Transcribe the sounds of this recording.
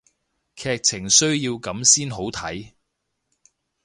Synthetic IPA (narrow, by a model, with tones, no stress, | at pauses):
kʰɛː˧k̚t͡sʰɪ˨˩ŋsɵ˥ɥjiː˧wkɐ˨˥msiː˥nɦo˨˥wt̪ʰɐ˨˥j